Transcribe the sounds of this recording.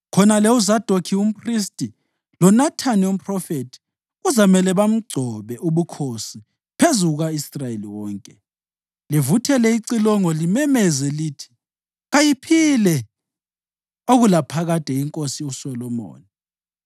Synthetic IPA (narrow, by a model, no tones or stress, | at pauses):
kʰɔnalɛuzad̥ʱokʰium̩pʰʼris̬tʼi | lɔnatʰanium̩pʰʼrɔfetʰi̥ | ɣuzamɛlɛβam̩ɡ͡ǀʱɔβɛʔuβukʰosi | pʰezuɣaisrajeliwɔːŋkʼɛ | livutʰɛlɛiǀilɔŋɔlimɛmɛzɛliːtʰi̥ | ɣajipʰilɛ | oɣulapʰaɣatʼɛiŋkʼosiusɔlɔmo̰ːni